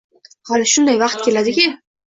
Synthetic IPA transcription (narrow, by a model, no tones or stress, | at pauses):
hɒlɪʃʊnd̪ajvɑqt̪̚kʲe̞lad̪ɪkʲɪ